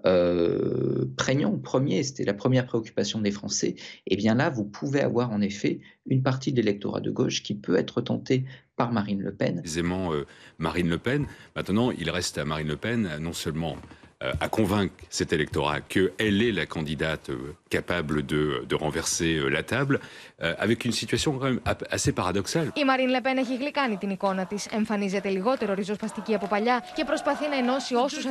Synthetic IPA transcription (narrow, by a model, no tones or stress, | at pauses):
ø | pχɛɲɑ̃pχəmjese̥t̪ɛlapχəmjɛʁpχeɔkʲy̥pasjɔ̃d̪efχɑ̰̃sɛ̰ebjɛ̃lavupʰuvea̰vwaʁɑ̃nefɛynpaʁt̪id̪lelɛk̚t̪ɔ̰ʁa̰d̪ə̰ɡoʃkʲipøɛt̪χət̪ɑ̃t̪epaʁmaʁinlə̰pɛ̰nzemɑ̃ømaʁinləpɛnmɛ̃t̪nɑ̃ḭlʁɛst̪amaʁinləpɛnnːɔ̃sœlmɑ̰̃a̰kɔ̃vɛ̃ksɛt̪elɛk̚t̪ɔʁa̰kəɛlɛlakɑ̃d̪id̪at̪ø̰kapabləd̪əd̪əʁɑ̃vɛʁseølat̪abløa̰vɛkynsit̪ɥasjɔ̃kɑ̃mɛmasepaʁad̪ɔksalimɐɾinle̞peneçiɣlikɐnit̪iniko̞nɐt̪ise̞ɱfɐnize̞t̪e̞liɣo̞t̪e̞ɾoɾizospɐst̪iciɐpopɐʎɐce̞pɾo̞spɐθinɐeno̞sio̞sus